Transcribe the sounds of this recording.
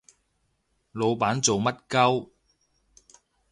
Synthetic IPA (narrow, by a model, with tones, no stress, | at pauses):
lo˨˧wpaː˨˥nt͡so˨wmɐ˥t̚kɐ˥w